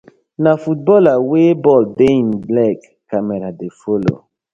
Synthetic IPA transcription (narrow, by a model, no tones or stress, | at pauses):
nafut̚bɔlawebɔldeinblɛkː | ameɾadefolo̰